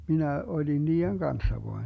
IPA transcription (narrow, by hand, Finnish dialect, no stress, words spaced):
minæ olʲin niːeŋ ɡ̊ɑnsːɑ ʋoɑ